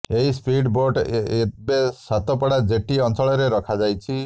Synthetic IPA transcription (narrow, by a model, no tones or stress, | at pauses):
eɦispʰiɖboɾʈebesat̪ɔpɔɽad͡ʒeʈiɔnsɔɭɔɾeɾɔkʰad͡ʒajt͡ʃʰi